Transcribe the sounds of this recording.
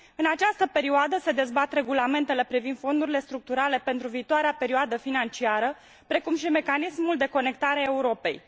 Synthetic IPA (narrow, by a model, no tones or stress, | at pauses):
ɨnat͡ʃast̪əpe̞ɾioad̪əse̞d̪e̞zbat̪re̞ɡulame̞nt̪e̞le̞pɾivind̪̥fo̞nd̪uɾile̞st̪ɾuk̚t̪uɾale̞pe̞nt̪ɾuviːt̪oaɾeape̞ɾioad̪əfinant͡ʃiaɾə | pɾe̞kumʃime̞kanismuld̪e̞ko̞ne̞k̚t̪aɾeaeuɾo̞pe̞̰j